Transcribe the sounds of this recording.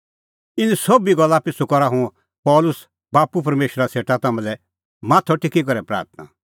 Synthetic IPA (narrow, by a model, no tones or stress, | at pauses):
ɪnĩsobiɡɔlːapɪsukɔɾaɦũ | pɔːlʊs | baːpup̬ɐɾmeːʃɾaseːʈat̪ɐmɛ̃lɛ | maːt̪ʰɔʈʰɪkik̬ɔɾɛpɾa̰ːɾt̪̚ʰna̰